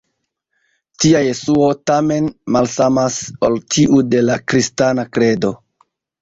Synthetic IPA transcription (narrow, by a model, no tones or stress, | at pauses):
tiaje̞suo̞tame̞nmalsamasoltiʔude̞lakɾistanakɾe̞do̞